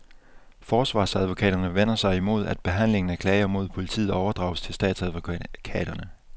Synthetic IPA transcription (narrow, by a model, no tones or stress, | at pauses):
fɒːsʋɑ̰̈ːsæðˠʋo̝kʰɛ̰ːd̥ɐnəʋen̰ɐsɑ̈ɪimo̝ð̞̰ˠæd̥̚b̥e̝ɦæn̰le̝ŋn̩ækʰlɛːɪɐmo̝ð̞̰ˠpʰo̝lit͡sʰḭːð̩ˠɒʊɐd̥ʁɑ̰̈ʊst͡sʰe̝lsd̥ɛ̰ːd̥sæð̞ˠʋokʰɛ̰ːd̥ɐnə